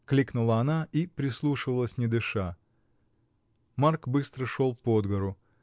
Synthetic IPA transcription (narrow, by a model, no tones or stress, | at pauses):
klʲiknʊlˠəɐnaipɾʲɪslˠuʂɨvəlˠəsʲnʲɪd̪ɨʂa | markbɨst̪ɾəʂolˠpod̪ɡəɾʊ